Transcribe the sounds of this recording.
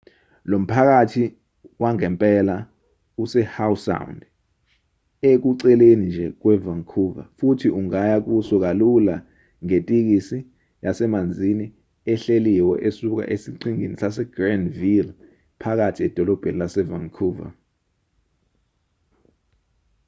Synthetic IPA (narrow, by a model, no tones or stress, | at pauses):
lom̩pʰak̬atʰi | waŋɛmpʼɛla | usɛhawusa̰wnd | ek̬uǀɛlenind͡ʒʱɛk̬wɛvaŋkʰuva̰futʰiuŋajak̬usɔk̬alula | ŋetʼik̬isi | jasɛmand͡zʱini | ɛɬeliwɔʔesuk̬a̰ʔesiǀiŋinisasɛɡ̥randvil | pʰak̬atʰiɛd̥ʱɔlɔb̥ʱenilasɛvaŋkʰuːva̰